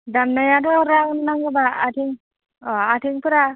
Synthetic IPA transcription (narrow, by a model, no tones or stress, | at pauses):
damnajadɔɾawnnaŋɡɯbaatʰiŋ | ɔatʰiŋpɯɾa